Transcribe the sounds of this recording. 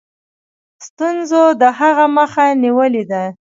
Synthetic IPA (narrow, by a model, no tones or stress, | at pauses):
st̪unzod̪əɦaɣaməxaniwəled̪a